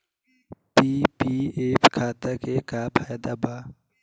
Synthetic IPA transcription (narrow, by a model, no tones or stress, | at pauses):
piːpiːeːpkʰaːt̪əkekaːpʰajd̪abaː